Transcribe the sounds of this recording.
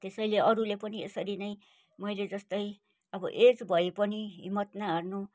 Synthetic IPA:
t̪esʌjleʌɾulepʌniesʌɾinʌj | mʌjled͡zʌst̪ʌj | ʌbʌʔed͡zbʱʌepʌniɦḭmːʌt̪naɦʌrnu

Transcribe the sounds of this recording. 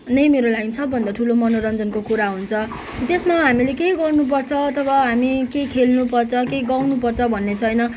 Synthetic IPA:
nʌjmeɾolainsʰʌbʱːʌnd̪aʈʰulomʌnoɾʌnd͡zʌnkokuɾaɦunt͡sʰʌ | t̪esmaɦamilekeiɡʌrnup̬ʌrt͡sʰʌʌt̪ʰʌbʱaɦamikejkʰelnupʌrt͡sʰʌkeiɡawnupʌrt͡sʰʌbʱʌnːet͡sʰʌjnʌ

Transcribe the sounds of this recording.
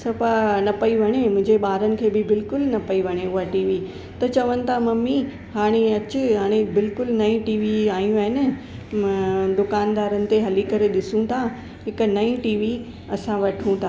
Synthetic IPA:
sɐfanɐpɐiʋɐɽ̃emʊ̃ɦɪ̃ɲd͡ʑeɓaːɾənɪ̆kʰeːbɪbɪlkʊlnɐpɐiʋɐɽ̃eʊɦaʈiːʋi | t̪ɐt͡ɕɐʋənɪ̆t̪ʰamɐmi | haːɽ̃eɐt͡ɕʊɦaːɽ̃ebɪlkʊlnɐĩʈiːʋiaːjũaːɦɪnə̆ | d̪ʊkaːnd̪aːɾənɪ̆t̪eɦɐlikɐɾeɗɪsũt̪ʰa | ɦɪknɐĩʈiːʋi | ɐsãʋɐʈʰũt̪ʰa

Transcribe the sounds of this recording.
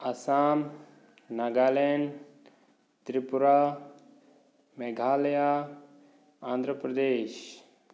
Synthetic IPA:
ɐsaːm | naɡaːlen | t̪ɾipuɾa | meɡʱaːljaː | ãːnd̪ʱɾəpɾɐd̪eːʃ

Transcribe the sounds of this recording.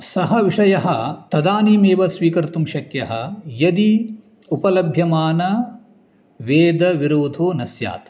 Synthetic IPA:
sɐɦɐʋiʂɐjɐɦɐt̪ɐd̪aːniːmeːʋɐsʋiːkɐɾt̪umʃɐkjɐɦɐjɐd̪i | upɐlɐbʱjɐmaːnɐ | ʋeːd̪ɐʋiɾoːd̪ʱoːnɐsja̰ːt̪

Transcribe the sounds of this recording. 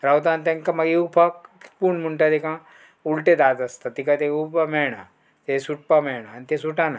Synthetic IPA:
ɾɐwt̪ant̪ɐŋkɐmɐɡiupʰɐk̚puɳmuɳʈɐt̪ekã | ulʈed̪aːt̪ɐst̪ɐt̪ikɐt̪eupɐmeːɳɐ | t̪esuʈ̚pɐmeːɳɐɐnt̪esuʈanɐ

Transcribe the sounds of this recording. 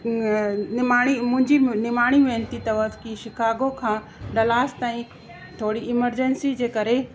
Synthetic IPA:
nɪmaːɽ̃imʊ̃ɦɪ̃ɲd͡ʑinɪmaːɽ̃iʋẽːnt̪it̪ɐʋət̪kiʃɪkʰaːɡokʰãː | ɖɐlaːst̪aːĩ | t̪ʰoːɽiɪməɾd͡ʑənsid͡ʑeːkɐɾe

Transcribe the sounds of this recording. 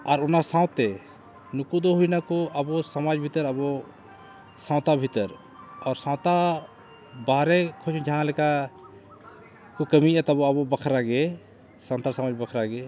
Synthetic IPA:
aɾʊnasãʊt̪e | nʊkud̪oɦuinakoəbosəmaːd͡ʒbʱit̪əɾɐbo | sãːʊt̪abʱit̪əɾ | ɔːɾsãʊt̪a | baːɾekʰod͡ʒʰud͡ʒɦãləka | kokəmiɛt̪ɔboɐbobəkʰɾaɡe | sãːt̪asəmaːd͡ʒbəkʰɾaɡe

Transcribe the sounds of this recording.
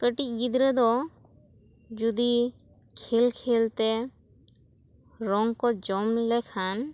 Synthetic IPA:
kəʈic̚ˀɡid̪ɾəd̪ɔ | d͡ʒud̪i | kʰelkʰelt̪ɛ | ɾɔŋkɔd͡ʒɔmlɛkʰan

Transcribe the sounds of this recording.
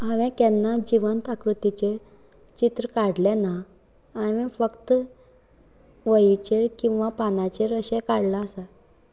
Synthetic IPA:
aʋɛ̃kɛnːad͡ʑiʋənt̪akɾut̪it͡ɕe | t͡ɕit̪ɾəkaɽlɛ̃naː | mĩfəkt̪ | ʋəit͡ɕeɾkĩw̃ʋapanat͡ɕeɾəɕɛ̃kaɽlaːsa

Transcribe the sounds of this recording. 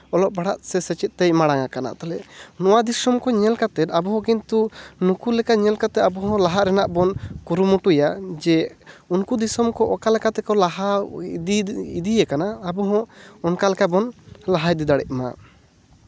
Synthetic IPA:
ɔlɔʔ̚baɽa̰ʔsɛsɛt͡ʃɛt̪̚ˀt̪ɛjmaɽaŋakana̰t̪alɛʔnɔwad̪isɔmkɔɲɛlkat̪ɛt̪abɔɦɔ̃kint̪unukulɛkaɲɛlkat̪ɛt̪abɔɦɔ̃laɦaʔɾɛnaʔbɔnkuɾumuʈujad͡ʒɛunkud̪isɔmkɔʔɔkalɛkat̪ɛkɔlaɦad̪iid̪ijɛkanaːbɔɦɔ̃ɔnkalɛkabɔnlaɦaid̪id̪aɽɛ̰ʔ̚ma̰

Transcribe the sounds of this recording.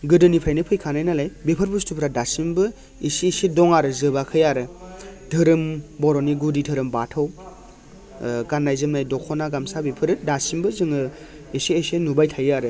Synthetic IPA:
ɡɯdɯnipʰɾajnipʰɯjkʰanajnalajbepʰɯɾbɯstʰupʰɾadasimbɯ | isiːsedɔŋaɾɯzɯbakʰɯjaɾɯdʰɯɾɯmbɔɾɔniɡuditʰɯɾɯmbatʰaw | ɡanːajzɯmnajdɔkʰɔnaɡamsabipʰɯɾɯdasimbɯzɯŋɯ | isiesenubajtʰajaɾɯ

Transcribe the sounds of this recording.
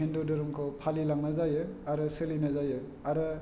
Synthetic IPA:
endɔdɔɾɔmkʰɔpʰalilaŋnazajɯaɾɯsɯlinazajɯ | aɾɯ

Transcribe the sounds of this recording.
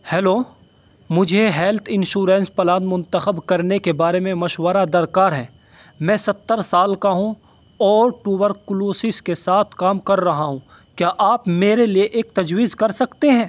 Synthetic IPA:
hɛːloː | mʊd͡ʒʱeɦɛːlt̪ʰɪ̃nʃuːɾɛ̃nspɐlãːnd̪mʊ̃nt̪əxəbkɐɾnekebaːɾemẽmɐʃwəɾad̪ɐɾkaːɾɦɛ̃ː | mɛ̃ːsɐt̪ːəɾsaːlkaɦũ | ɔːɾʈuːbəɾkʊloːsɪskesaːt̪ʰkaːmkɐɾːɐɦaɦũ | kjaːʔaːpmeːɾelieʔeːk̚t̪ɐd͡ʒwiːzkɐɾsɐkt̪eɦɛ̃ː

